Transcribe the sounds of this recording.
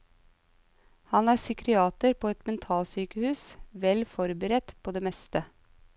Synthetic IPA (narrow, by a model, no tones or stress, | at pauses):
hɑnæːɾsʏkɾɪɑːt̪əɾpʰoːɛt̪mɛnt̪ʰɑːlsyːkəhʉːsʋɛlfɔɾbəɾɛt̪pʰoːd̪eːmɛst̪ə